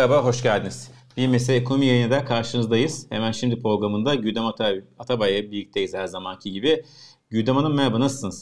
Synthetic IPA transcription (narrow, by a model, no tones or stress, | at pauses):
abaɦo̞ʃɟælʲd̪iniz̥ | b̥iɾmeselʲɛkʰo̞mijajɯnad̪ɛkʰaɾʃɯnɯzd̪ajɯz̥hemænʃimd̪ipʰɾo̞ɡɾamɯnd̪aɟyd̪emat̪at̪ʰabajabilic̚t̪ʰejiz̥hæɾzamancʰiɟibɪ | ɟyd̪emanɯnmeabanasɯ̥sɯnɯz